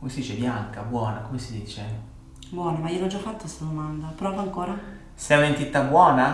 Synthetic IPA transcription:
komesid̪iːt͡ʃebjaŋkabwɔːnakomesid̪iːt͡ʃe | bwɔːnamaiːolɔd͡ʒafːat̪ːost̪ad̪omand̪apɾɔːvaaŋkoːɾa | seɛnent̪it̪ːabwɔːna

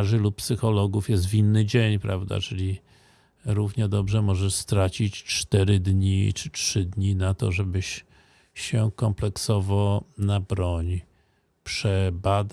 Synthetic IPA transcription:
ʐɘluppsɘxɔlɔɡufjɛs̬t̪vʲinːɘd͡ʑeɲpɾavd̪a̰t͡ʂɘlʲi | ɾuvɲɛd̪ɔbʐɛmɔʐɛʂst̪ɾat͡ɕit͡ɕt͡ʂt̪ɛɾɘd̪ɲḭt͡ʂɘt͡ʂʂɘd̪ɲinat̪ɔ̰ʐɛbɘɕ | ɕɛkɔmplɛksɔvɔnabɾɔɲ | pʂɛbad̪

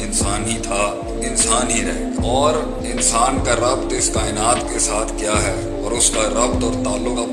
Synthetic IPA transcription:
ɪnsaːnɦĩt̪ʰa | ɪnsaːnɦiɾɛɦe | ɔːɾ | ɪnsaːnkaɾɐbt̪ɪskaːɪnaːt̪kesaːt̪ʰkjaːɦɛ | ɔːɾʊskaɾɐbt̪ɔːɾt̪aːlːʊkɐp

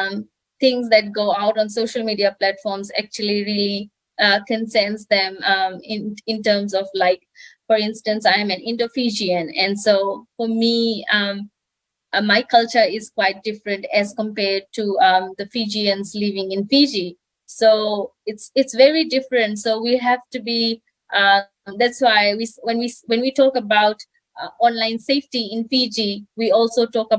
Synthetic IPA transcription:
m | t̪ʰɪ̃ŋsd̪æʈ̚ɡoːaʊʈɔ̃ːnsoːʃəlmiːɖiaplæʈfɔːɾmzæ̰k̚t͡ʃuəl̩iɾili | ʌkɛ̃nsɛ̃nsd̪ɛ̃mʌɪ̃nɪ̃nʈəːmsɔvlaɪk̚ | fɔɾɪ̃nsʈə̃nsãɪ̃mɨ̃nɪ̃nʈofid͡ʒiə̃nɛ̰̃nɖsoːfɔɾmiʌm | maɪkʌlt͡ʃəɾɪz̥kwaɪt̚d̥ɪfɾə̃ntɛz̥kə̃mpɛːɖ̚tʰuʌd̪əfid͡ʒiə̃nzlivɪ̃ŋɪ̃nfid͡ʒi | soɪtsɪtsʋɛɹidɪfɾə̃ntsoːwiɦævtubi | ʔ | d̪ætswaɪwiswɛ̃nwiwɛ̃nwitʰɔːkəbaʊt | ɔ̃nlãɪ̃nseɪfʈiɪ̃nfid͡ʒiwiɔːlsotɔːkə

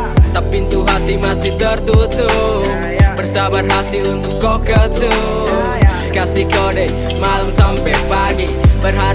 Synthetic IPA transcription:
sapːint̪uɦat̪imasɪht̪ərt̪ut̪u | pərsabarɦat̪iunt̪ʊkkokət̪u | kasikoɖe | malumsampɛpaɡibərɦa

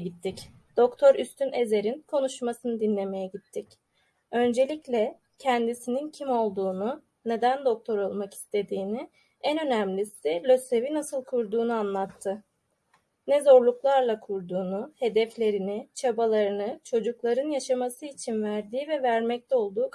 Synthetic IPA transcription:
it̪ʰːic | d̪̥o̞kt̪ʰo̞ɾyst̪ʰyne̞ze̞ɾinkʰo̞nuʃmasɯnɯd̪inlʲe̞me̞jɛɟit̪ʰːic | ø̞nd͡ʒe̞lʲiclʲɛ | cʰɛnd̪isinincʰimo̞lˠd̪uːnu | ne̞d̪ænd̪o̞k̚t̪ʰo̞ɾo̞lˠmaki̥st̪ʰe̞d̪iːnɪ | ænønæmlʲisilʲø̞se̞vinasɯlˠkʰuɾd̪uːnuanlˠat̪ʰːɯ | nɛzo̞ɾlˠuklˠaɾlˠakʰuɾd̪uːnuhe̞d̪ɛflʲe̞ɾinɪt͡ʃʰabalˠaɾɯnɯt͡ʃʰo̞d͡ʒuklˠaɾɯnjaʃamasɯit͡ʃʰinvæɾd̪iːvɛvæɾmɛc̚t̪ʰɛo̞lˠd̪uːk

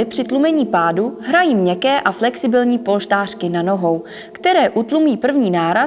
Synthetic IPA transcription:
ɪpr̥ɪt̪lumɛɲiːpaːduɦɾajiːmɲɛkɛːʔaflɛksɪbɪlɲiːpo̞lʃt̪aːr̝̥kɪnano̞ɦo̞w | kt̪ɛɾɛːʔut̪lumiːpr̩vɲiːnaːɾa

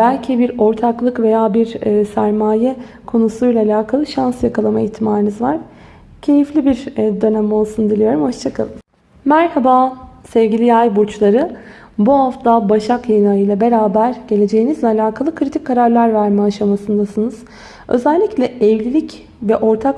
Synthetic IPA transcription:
b̥ælʲcʰibiɾo̞ɾt̪ʰaklˠɯkve̞jaːbiɾsæɾmaːjɛ | kʰo̞nusujlʲˠaːlʲaːkʰalˠɯʃansjakʰalˠamaiçt̪ʰimaːɾɯnɯzvaɾ̥ | cʰe̞jiflʲibiɾd̪ø̞næmo̞lˠsund̪ilʲijo̞ɾumhoʃt͡ʃʰakʰalˠɯm | mæɾhabaːsɛvɟilʲijajbuɾt͡ʃlˠaɾɯ | buɦaft̪ʰabaʃakjajɯnajɯjlˠabe̞ɾaːbæɾɟe̞lʲe̞d͡ʒe̞jinizlʲɛalʲaːkʰalˠɯkʰɾit̪ʰic̚ʲkʰːaɾaɾlʲˠaɾvæɾmɛaʃamasɯnd̪asɯnɯz̥ | ø̞̰zælʲːiclʲɛɛvlʲilʲic | vɛʔo̞ɾt̪ʰak

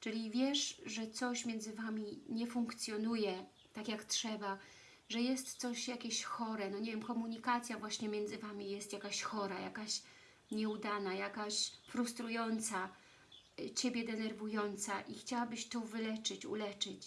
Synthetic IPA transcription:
t͡ʂɘlʲivʲjɛʂʐɛt̪sɔɕmʲjɛnzɘvamʲiɲɛfuŋkt̪sʲjɔnujɛ | t̪akʲjaktʂɛba | ʐɛjɛst̪ːsɔɕjakʲeɕxɔɾɛnɔɲevʲjɛmkɔmuɲikat̪sʲjavwaɕɲɛmʲjɛnd̪zɘvamʲijɛst̪jakaɕxɔɾaja̰kaɕ | ɲɛud̪anajakaɕfɾust̪ɾujɔnt̪sa | t͡ɕebʲjɛd̪ɛnɛɾvujɔnt̪saʔixt͡ɕawabɘɕt̪ɔvɘlɛt͡ʂɘt͡ɕṵlɛt͡ʂɘt͡ɕ

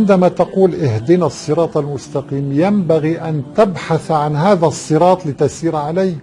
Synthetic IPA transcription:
ʕɪnd̪amat̪ɑquːlʔɪhd̪ɪnasˤːɨɾˤɑːt̪ˤalmʊst̪ɑqiːmjambaɣiʔant̪abħaθʕanɦaːðæsˤːɨɾˤɑːt̪ˤlɪt̪asiːɾʕalajh

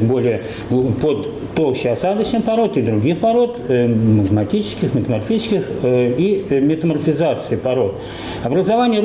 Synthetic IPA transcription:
bo̞lʲɪjə | pod̪ | t̪ːolˠɕɪɐsad̪ət͡ɕnʲɨpɐɾo̞t̪ɨd̪ɾʊɡʲixpɐɾo̞t̪mət̪mɐtʲit͡ɕɪ̥skʲɪxmʲɪt̪əmɐrfʲit͡ɕɪ̥skʲɪximʲɪt̪əmərfʲɪzat̪sɨɪpɐɾo̞t̪ | ɐbɾəzɐvanʲɪjə

